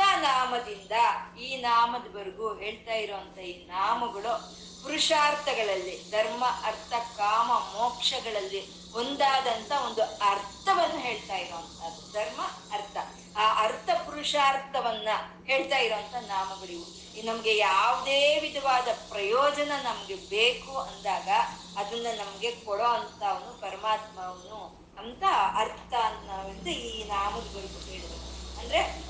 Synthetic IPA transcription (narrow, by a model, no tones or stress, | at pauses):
anaːmɐd̪ind̪ɐiːnaːmɐd̪ɐbɐɾiɡuɦe̞ːɭt̪aːjiɾoːʋɐnt̪ʰɐiːnaːmɐɡɐɭu | puɾuʂaːɾt̪ʰɐɡɐɭɐlːid̪ʱɐɾmɐʔɐɾt̪ʰɐkaːmɐmɔːkʂɐɡɐɭɐlːi | ond̪aːd̪ɐnt̪ɐo̞nd̪uɐɾt̪ʰɐʋɐnːɐɦe̞ːɭt̪aːjiɾoʋɐnt̪ʰɐd̪ud̪ʱɐɾmɐ | ɐɾt̪ʰɐː | ʔɐɾt̪ʰɐpuɾuʂaːɾt̪ʰɐʋɐnːɐɦe̞ːɭt̪aːjiɾoːɐnt̪ɐnaːmɐɡɐɭiʋu | nɐmɐɡe̞jaːʋd̪eːʋid̪ʱɐʋaːd̪ɐpɾɐjɔːd͡ʒɐnɐnɐmɐɡe̞beːkuɐnd̪aːɡɐː | d̪ɐnːɐnɐmɐɡe̞kɔɽoːɐnt̪ɐɐʋɐnːupɐɾɐmaːt̪mɐʋɐnːu | ɐnt̪ɐɐɾt̪ʰɐnɐʋind̪uiːnaːmɐɡ̪ɡɐɭiɡueːɭid̪uɐnd̪ɐɾe̞